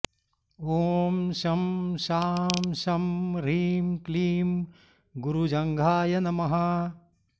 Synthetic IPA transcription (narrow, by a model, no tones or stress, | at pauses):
oːmʃɐmʃaːmsɐmɾiːmkliːm | ɡuɾud͡ʒɐŋɡʱaːjɐnɐmɐɦɐ